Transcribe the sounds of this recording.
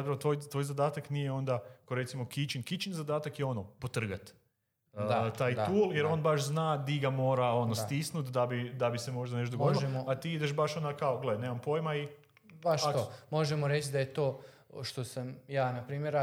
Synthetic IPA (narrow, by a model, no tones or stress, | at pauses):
zat̪pɾaʋot̪ʋojt̪ʋojzad̪aːt̪aknije̞o̞nd̪akoɾe̞t̪simo̞kit͡ʃinkit͡ʃinzad̪aːt̪akjeo̞nopot̪r̩ɡat̪ː | at̪aːjd̪uːlˠjeɾo̞nbaʃznaːd̪iɡamo̞ːɾao̞nosst̪isnut̪d̪abid̪abise̞mo̞ʒd̪aneʃ̬t̪od̪oɡod̪loemoat̪iːid̪e̞ʃbaʃo̞nd̪akaoɡleaneːmampo̞jmai | baʃomo̞ʒemoɾet͡ʃd̪ajet̪oː | ʃt̪o̞samjaːnapɾiːmjeɾ